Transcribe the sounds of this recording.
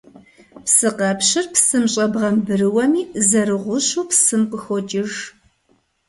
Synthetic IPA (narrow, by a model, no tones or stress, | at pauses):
psɨqɐpɕɪrpsɨmɕʼɐbʁɐmbɨɾɨwɐmiːzɐɾɨʁʷʊɕuːpsɨmqʷʊxɔt͡ʃʼɪʒ